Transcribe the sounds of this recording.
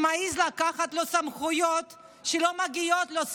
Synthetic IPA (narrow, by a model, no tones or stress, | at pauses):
maizlakaχat̪lo̞samχujot̪ | ʃelomaɡio̞t̪los